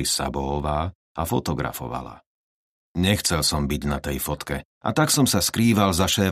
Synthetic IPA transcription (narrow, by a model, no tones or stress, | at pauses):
isa̰bɔɔʋaː | ʔafɔt̪ɔɡɾa̰fɔ̰ʋa̰la̰ | ɲɛxt͡sɛlsɔmbiɟnat̪ɛjfɔt̪kɛ | ʔa̰t̪aksɔmsaskɾiːʋalzaʃɛː